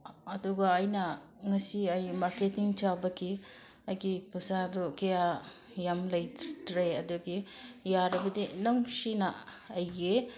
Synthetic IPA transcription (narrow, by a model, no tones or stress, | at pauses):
ɐduɡɐːjnɐ | ŋɐsiɐjmaɾketiŋt͡ʃabɐkʰi | ɐjɡipusadɔkɐja | jamlɐjtɾeɐduɡijaɾɐbɐdinoŋsina̰ːjɡe